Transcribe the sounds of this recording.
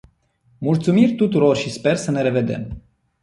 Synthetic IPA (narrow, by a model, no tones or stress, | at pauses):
mult̪sumirʲt̪ut̪uɾo̞rʃispe̞rsəne̞ɾe̞ve̞d̪e̞̰m